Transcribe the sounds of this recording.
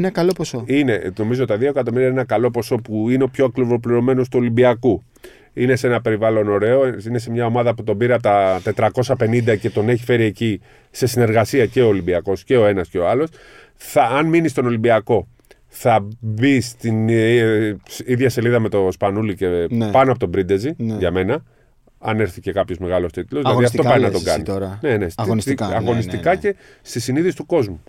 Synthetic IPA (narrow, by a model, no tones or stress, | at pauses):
nɐkɐlo̞po̞soine̞no̞mizot̪ɐðioekɐt̪̬o̞miɾiɐnenɐkɐlo̞po̞so̞puineo̞pçoɐklivo̞pliɾo̞me̞no̞st̪uo̞limbiɐku | ine̞se̞nɐpe̞ɾivɐlo̞no̞ɾe̞oine̞se̞mɲɐo̞mɐðɐput̪o̞biɾeɐpt̪ɐt̪e̞t̪ɾɐko̞sɐpe̞nind̪ɐce̞t̪o̞ne̞çife̞ɾie̞ci | se̞sine̞ɾɣɐsiɐce̞o̞ːlimbiɐko̞sce̞o̞e̞nɐsce̞o̞ɐlo̞s | θɐːnminist̪o̞no̞limbiɐko̞ | θɐbist̪in | iðʝɐse̞liðɐme̞t̪o̞spɐnulice̞pɐnoɐpo̞t̪obɾid̪e̞ziʝɐme̞nɐ | ɐne̞ɾθice̞kɐpço̞zme̞ɣɐlo̞st̪it̪lozðilɐðiɐft̪o̞pɐɾinɐt̪o̞ɡɐ̰nnḭɾnenesnsɐɣo̞nist̪ikɐce̞ | st̪isiniðisi̥t̪uko̞zmu